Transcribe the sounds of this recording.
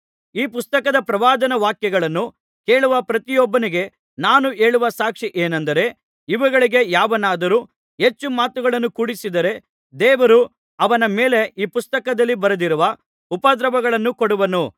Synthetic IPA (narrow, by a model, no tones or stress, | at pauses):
iːpust̪ɐkɐd̪ɐpɾɐʋaːd̪ɐnɐʋaːkjɛɡɐɭɐnːu | keːɭuʋɐpɾɐt̪ijɔbːɐniɡe̞ | naːnue̞ːɭuʋɐsaːkʂiʔeːnɐnd̪ɐɾe̞ | iʋɐɡɐɭiɡe̞jaːʋɐnaːd̪ɐɾuː | ɦe̞t͡ʃːumaːt̪uɡɐɭɐnːukuːɽisid̪ɐɾe̞ | d̪ɛːʋɐɾu | ɐʋɐnɐmeːle̞iːpust̪ɐkɐd̪ɐlːibɐɾɐd̪iɾuʋɐ | upɐd̪ɾɐbɐɡɐɭɐnːukoɽuʋɐnu